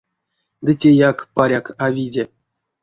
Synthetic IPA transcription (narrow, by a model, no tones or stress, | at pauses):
d̪ɨtʲejakpaɾʲakavʲidʲe